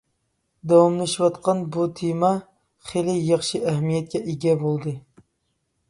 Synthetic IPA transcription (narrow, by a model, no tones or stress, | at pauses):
d̪ɑwɑmnˠɨʃwɑt̪qɑnbut̪ʰemɑ | χelɪjɑχʃɨʔæɦmijɛt̪̚kʲɛʔeɡʲɛbolˠd̪ɨ